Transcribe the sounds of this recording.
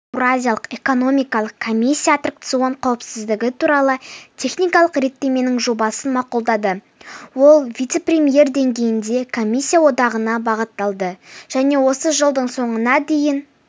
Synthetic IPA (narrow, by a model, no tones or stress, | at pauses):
eɾazʲijalˠəqe̞ko̞no̞mʲijkɑlˠəqkʰːo̞mʲisʲːijat̪ʰərk̚t̪sɨo̞ɴqʰɑwəpsɪzd̪ɪɡʲɪt̪ʰuɾɑlˠət̪ʲʰe̞χnijkɑlˠəqɾe̞t̪ːe̞me̞nɪŋʒo̞bɑsənmɑqulˠd̪ɑd̪ə | wo̞lˠvʲijt̪seprʲe̞mije̞ɾd̪e̞ŋɡʲe̞jɪnd̪e̞kʰo̞mʲisʲːijawo̞d̪ɑʁənɑbɑʁət̪ːɑlˠd̪əʒ̥æne̞wo̞səʒəlˠd̪əɴso̞ɴənɑd̪e̞jɪn